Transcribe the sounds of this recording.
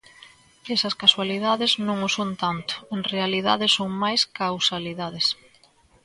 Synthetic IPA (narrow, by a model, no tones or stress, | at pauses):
esɐskaswaliðaðɪznõŋʊsont̪ant̪ʊ̥eŋrealiðaðɪsoŋmajskawsaliðaðɪs